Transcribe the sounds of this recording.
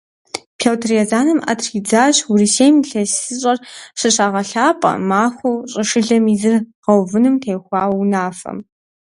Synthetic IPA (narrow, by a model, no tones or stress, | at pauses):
pʰewtʰriazaːnɨma̰tʰrid͡zaːɕurisejmɬɐsɨɕʼɐrɕɨɕaːʁɐɬaːpʼɐ̰maːxʷɐwɕʼɨʂɨɮɐmizɨrʁɐwvɨnɨmtʰeːjxʷɑːwwnaːfɐ̰m